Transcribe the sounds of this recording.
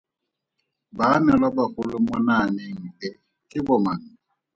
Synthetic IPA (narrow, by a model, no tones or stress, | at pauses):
banɛlabahʊlʊmʊnanɪŋ̩bɛ | kʼɪbɔmaŋ̩